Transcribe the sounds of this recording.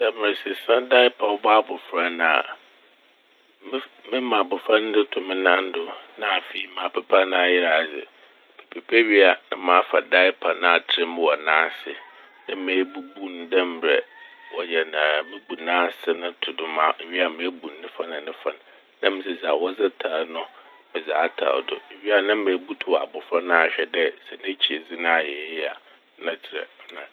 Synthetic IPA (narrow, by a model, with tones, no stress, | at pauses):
sa˨mɪ̃˨sɪ˨sã˦da˦ɪ˦pʰa˨wɔ˦bɔ˦a˦bʊ˨fɾa˦nã̰˨ | m˦mɪ̃˦mã˨bʊ˨fɾa˦n˦dɪ˦tʰʊ˨mɪ̃˦nã˦n˦dʊ˦nã˦a˨fi˦i˦mãː˨pʰɛ˨pʰa˦nã˦a˦˨jɪ˦ɾa˨sɪ̰˨ | mɪ˨pʰɛ˨pʰɛ˦ɥi˦a˨nɪ̰̃˦mã˨˦fa˨da˦ɪ˦pʰa˨nã˦a˨tʰɪ˦ɾɪ˦mɪ̃˦wɔ˨nãː˦sɪ̰˨ | nɪ̃˦mẽ˨˦bu˦bu˦n˨dɛ̃˦m˦bɾɛ̰˨wɔ˨jɛ˨nã˨mɪ̃˦bu˨nãː˦sɪ˦nʊ̃˦tʰʊ˨dʊ̃˦mã˦˨ɥi˦a˨mẽ˨˦bu˨nː˦ɪ̃˦fa˦nã˨nɪ̃˦fã˦n˨ | nã˦mɪ̃˦sɛ˨za˨wɔ˦zɪ˦tʰaː˨nʊ̃˦ | mɛ̃˨za˨˦tʰa̰˨dʊ̰˨ɥi˦a˨nã˦mẽː˨˦bu˦tʰʊ˨a̰˨bʊ˨fɾa˦nã˦a˨ɕᶣɛ˨dɛ˦sɛ˨nɛ̃˦t͡ɕʰi˨e˨d͡zi˦nã˦a˨jɛ˨˦ɪ˦a˨˦ | nã˦tʰɪ˨ɾɛ̰˨˦nã˨